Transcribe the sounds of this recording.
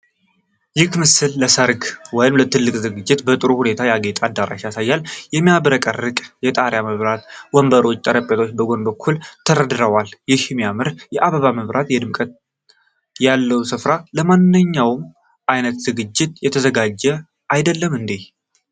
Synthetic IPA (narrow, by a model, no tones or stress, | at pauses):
jɪkmɨsɨlːəsəɾɡwɔjɪmlət̪ʰɨlːɨkʼzɨɡɨd͡ʒːɪt̪bət̪ʼɨɾuhune̞t̪ʰajaɡet̪ʼad̪ːaɾa̰ʃjasajːaljɛmijaβɾəkʼərːɨkʼjɛt̪ʼaɾjaməβɾat̪wɔmbəɾo̞t͡ʃʼːt̪ʼəɾəpʼet̪ʰo̞t͡ʃːbəɡo̞nbəkʰːult̪ʰəɾəd̪ɾəwaljɪhmijamɨɾjɛʔaβəβaməβɾʔat̪jɛd̪ɨmkʼət̪ | jalːəwsɨfɾaləmanːɨɲːawm | ʔajnət̪zɨɡɨd͡ʒːɪt̪jɛt̪ʰəzəɡad͡ʒːɛ | ajd̪əlːəmɨnd̪ih